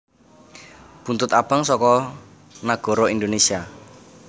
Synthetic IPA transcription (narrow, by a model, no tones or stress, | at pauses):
punt̪ʊt̪ab̥aŋsɔkɔ | naɡ̥ɔ̤ɾɔind̪onesia